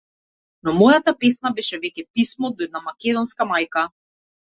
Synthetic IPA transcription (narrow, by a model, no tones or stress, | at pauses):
nɔmɔjat̪apɛsnabɛʃɛvɛcʲɛpismɔd̪ɔɛd̪namakʲɛd̪ɔnskamajka